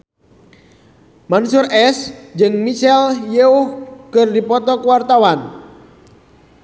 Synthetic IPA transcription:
mansurʔɛsd͡ʒɨŋmit͡ʃɛljɛuhkɨrdipɔt̪ɔkuwart̪awan

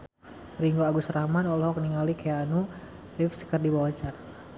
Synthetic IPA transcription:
riŋɡoaɡusɾahmanɔlhɔkniŋalikʰɛanu | rifsə̥kərdibawat͡ʃar

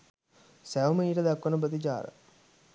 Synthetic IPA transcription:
sæʋəməiːʈəd̪akʋənəbəd̪id͡ʒaːɾə̰

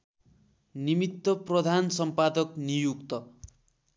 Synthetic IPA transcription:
nimit̪ːʌprʌd̪ʱansʌmpad̪ʌknijukt̪ʌ

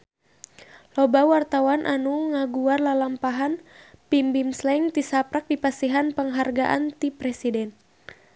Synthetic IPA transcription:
lɔbawart̪awanʔanuŋaɡuarlalampaɦanpimbimslɛŋt̪isapɾak̚dipasiɦanpəŋɦarɡaʔa̰nt̪ipɾɛsidɛn

